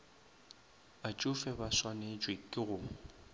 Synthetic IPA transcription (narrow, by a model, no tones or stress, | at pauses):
at͡ʃʼʊfɛbaswaned͡ʒʼwekʼɪɣʊː